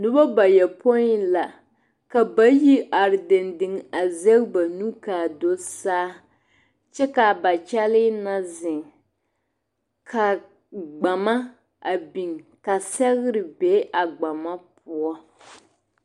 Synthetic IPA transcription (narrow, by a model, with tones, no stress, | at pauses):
nʊ˦bɔ˦ba˨jɛ˨po˦la˨ | ka˨ba˦ji˦ʔa˨ɾɪ˨dɪ˨ndɪ˨ŋa˨zɛ˦ɣba˨nu˦kaː˨do˦saː˦ | t͡ʃɛ˦ka˨ba˨t͡ʃɛ˦lɪ˦na˦zɪ˨ŋ | kʰa˨ | ɡ͡ba˨ma˦ | a˨bi˨ŋka˨sɛ˦ɣɪ˦ɾɪ˨be˦ʔa˨ɡ͡ba˨ma˦pʊ˦ɔ˦